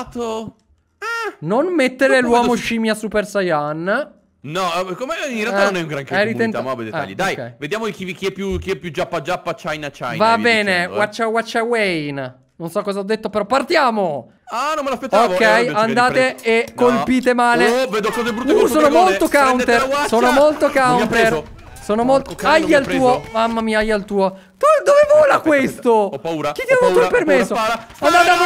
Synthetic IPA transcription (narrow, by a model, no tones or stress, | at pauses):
t̪o | ɛnonmet̪ːeɾelwɔːmoʃiːmjasupersajan | nɔkomeĩnrealanonɛũŋɡɾaŋkeɛɾient̪mabɛd̪ḛa̰ʎːid̪ajkːɛ̰jved̪jaːmokivikiɛpːjukiɛpːjud͡ʒapːad͡ʒapːat͡ʃajnat͡ʃa̰jvabɛːnewat͡ʃːawat͡ʃːawejn | nːonsɔkːɔzaɔd̪ːet̪ːopeɾɔpart̪jaːmo | anɔmelapet̪ːokːɛjand̪aːeːkːolpiːt̪emaːleved̪okɔzebɾuusonomolt̪okawnt̪eɾsoːnomolt̪okawnt̪er | soːnomolt̪oajːaluːomamːamiːaajːalt̪uːo | d̪od̪ovevoːlakwest̪opauɾak̟it̪ːjaut̪oopermessːo | and̪at̪a